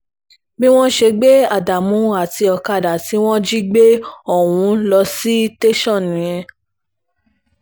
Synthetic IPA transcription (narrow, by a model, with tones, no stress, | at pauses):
bĩ˦w̃ɔ̃˦ʃe˧ɡ͡be˦a˨da˨mũ˨˦a˦˨ti˧ɔ˧ka˧˨da˨ti˨˦w̃ɔ̃˦d͡ʒi˦ɡ͡be˦ɔ˦˨wũ˨˧˦lɔ˧si˦te˦ʃɔ̃˦˨nĩ˨j̃ɛ̃˧